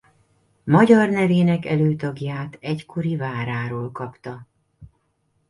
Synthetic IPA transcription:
mɒɟɒrnɛveːnɛkɛløːt̪ɒɡjaːt̪ɛckʰo̞ɾivaːɾaːɾoːlkɒpt̪ɒ

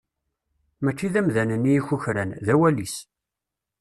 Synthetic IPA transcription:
mæt͡ʃːiðæmðænənijiçuçɾænðæwælis

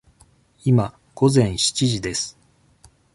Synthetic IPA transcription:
ima | ɡ̥o̞zẽ̞ɰ̃ɕi̥t͡ɕiʑid̪e̞sɨ̥

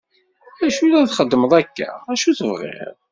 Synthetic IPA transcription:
æʃulæθχəd̪ːəməðˤækːæ̰æʃuθəvʁɪ̰ʁ

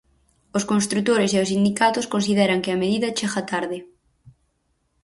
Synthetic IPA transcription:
ʊskonst̪ɾut̪oɾɪseʊsind̪ikat̪ʊskonsiðɛɾɐŋkɪɐmeðiðɐt͡ʃexat̪aɾðɪ

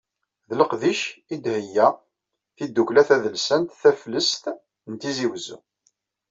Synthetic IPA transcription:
ðləqðiʃid̪həjːæ | θid̪ːuklæθæðəlsænt̪θæfləst̪ | nt̪iziwəzṵ

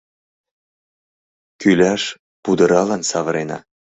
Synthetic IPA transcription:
kylʲæʃ | pud̪əɾɑlɑnsɑvə̆ɾenɑ̰

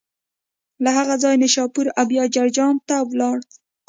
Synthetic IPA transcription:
laɦaɣad͡zɑjnaʃɑpuɾabjɑd͡ʒaɾd͡ʒɑnt̪awlɑɽ

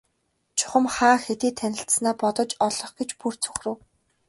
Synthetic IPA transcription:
t͡ɕʰʊ̥χə̆mχaːxet̪iːt̪ʰːænʲɪ̆ɬsnaːpɔt̪ɞ̆t͡ɕɔɮɞ̆χɡet͡ɕpur̥t͡sʰɵ̥xrɘ̆w

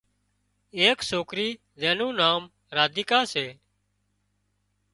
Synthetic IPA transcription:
eːksoːkɾiː | zẽːnũːnaːm | ɾaːd̪iːkaːseː

